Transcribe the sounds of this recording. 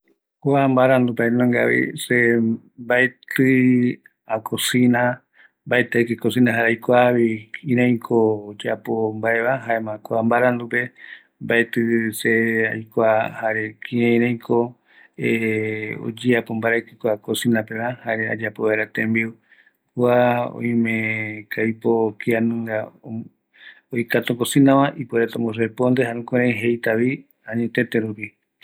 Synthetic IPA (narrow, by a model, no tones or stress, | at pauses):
koambaɾand̪upaenõŋɡa̰βḭse | mbaet̪ɨ | akosĩnã | mbaet̪aekɨkosĩnãɦaɾeajkʷaβiĩɾãj̃kʰod͡ʒapombaeβaɦaemãkoambaɾãnd̪upe̞ | mbaet̪ɨsea̰jkʷahaɾekʰĩẽɾ̃ãj̃kʰo | eo̰d͡ʒiapombaɾakikʷakosinãpenãhaɾea̰d͡ʒapoβeɾat̪ẽmbiu | kuaõ̰jĩmẽkajpokianɨ̃ŋɡa | ojkat̪oŋkɡosĩnãmãʔipoeɾet̪õŋɡos̬epond̪eɦaɾũkeɾ̃ẽjɦejt̪aβi | ãɲẽt̪ẽt̪eɾupi